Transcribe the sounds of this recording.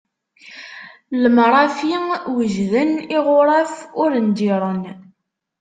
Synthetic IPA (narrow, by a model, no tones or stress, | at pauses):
ləmɾˤɑfiwəʒðəniʁʊɾˤafʊɾənd̪iɾˤən